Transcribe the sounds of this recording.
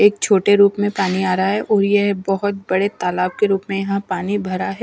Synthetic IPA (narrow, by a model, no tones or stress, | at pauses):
eːk̚t͡ʃʰoːʈeɾuːpmẽpaːniaːɾɐaɦɛʔʔɔːɾjeɦbɐɦʊt̪̚bɐɽet̪aːlaːb̚keɾuːpmẽjɐɦãpaːnibʱɐɾaɦɛ